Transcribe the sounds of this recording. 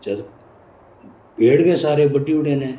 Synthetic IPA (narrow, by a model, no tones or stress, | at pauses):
t͡ʃəɾ | peːɽkeːsaːɾeːbəʈːiʊɽeːnẽː